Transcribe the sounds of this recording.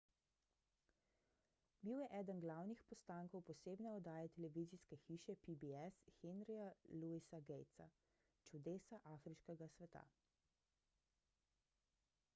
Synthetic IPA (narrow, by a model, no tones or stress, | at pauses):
biwjɛʔɛːd̪ənɡlawnixpɔst̪aːŋkɔwpɔseːbnɛɔd̪aːjɛt̪ɛlɛʋiziskɛxiːʃɛpibiɛsxenɾijaluisaɡɛjt̪sa̰ | t͡ʃud̪eːsaʔaːfɾiʃkɛɡasʋɛt̪a̰